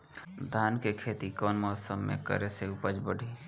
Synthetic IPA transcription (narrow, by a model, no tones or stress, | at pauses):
d̪ʱaːnkekʰeːt̪ikɔːnmɔːsəmːḛ̃kə̰ɾeseʊpəd͡ʒbəɽʱiː